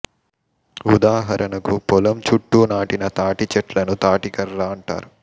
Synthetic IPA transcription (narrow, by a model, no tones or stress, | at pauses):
ud̪aːɦɐɾʔɐnɐkupɔlɐmt͡ʃuʈːuːnaːʈinɐt̪aːʈit͡ʃɐʈlɐnut̪aːʈikɐɾːaːɐɳʈa̰ːɾu